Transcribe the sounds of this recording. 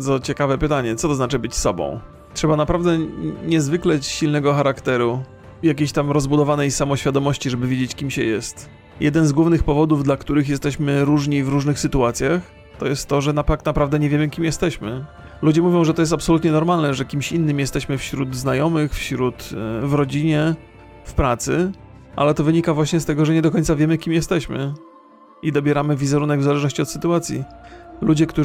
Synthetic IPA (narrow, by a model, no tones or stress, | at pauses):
d̪zɔt͡ɕɛkavɛpɘt̪aɲɛt̪sɔt̪ɔznat͡ʂɘbɘt͡ɕsɔbɔ̰̃w̃ | tʂɛbanapɾavd̪ɛɲɛzvɘklɛɕilnɛɡɔxaɾakt̪ɛɾu | jakʲeɕt̪amɾɔzbud̪ɔvanɛjsamɔɕfʲjad̪ɔmɔɕt͡ɕiʐɛbɘvʲjed͡ʑet͡ɕkʲimɕɛjɛst̪ | jɛd̪ɛnzɡwuvnɘxpɔvɔd̪uvd̪lakt̪uɾɘxjɛst̪ɛɕmɘɾuʐɲivɾuʐnɘxsɘt̪uat̪sʲjax | t̪ɔjɛst̪ːɔʐɛnapaknapɾavd̪ɛɲɛvʲjemɘkʲimjɛst̪ɛɕmɘ | lud͡ʑɛmuvʲjɔ̃w̃ʐɛt̪ɔjɛs̬t̪apsɔlut̪ɲɛnɔɾmalnɛʐɛkʲimɕinːɘmjɛst̪ɛɕmɘfɕɾud̪znajɔmɘxfɕɾut̪vɾɔd͡ʑiɲɛ | fpɾat̪sɘ | ʔa̰lɛt̪ɔvɘɲikavwaɕɲɛst̪ɛɡɔʐɛɲɛd̪ɔkɔɲ̃t̪savʲjɛmɘkʲimjɛst̪ɛɕmɘ | id̪ɔbʲjɛɾamɘvʲizɛɾunɛɡvzalɛʐnɔɕt͡ɕiɔt̪sɘ̥t̪uat̪sʲjḭlud͡ʑɛkt̪u